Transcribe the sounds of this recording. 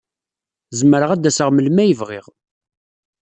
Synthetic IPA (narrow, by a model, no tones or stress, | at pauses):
zəmːəɾəʁæd̪ːæsəʁməlmæjəvʁɪ̰ʁ